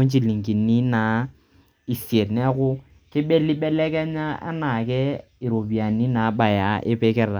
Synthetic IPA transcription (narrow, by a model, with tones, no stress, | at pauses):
o˦n˦t͡ʃi˦li˨ŋ̩˨ki˨ni˦na˨ | i˨si˨e˨ɾnɛ˦ɣʊ˦ | kɪ˦ɓɛ˦lɪ˦ɓɛ˦lɛ˦kɛ˦ɲa˦a̰˦na˨kɛ˦ | ɪ˨ɾo˨bi˨a˨ni˦na˨˦ba˨ja˨˦ʔɪ̰˦pɛ˦kɛ˦ɾa˨